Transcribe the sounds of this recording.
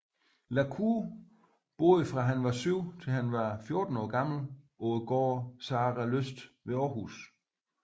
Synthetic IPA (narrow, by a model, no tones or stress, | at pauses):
lækʰu | b̥o̝̰ːðˠfʁɑ̈ɦænʋɑ̈syʊ̰t͡sʰe̝lhænʋɑ̈fjo̝ɐd̥n̩ɒ̰ːɡ̥ɑ̈ml̩ʔɔð̩ˠɡ̥ɒ̰ːsɑ̈ːʁæløsd̥ʋe̝ɒːɦus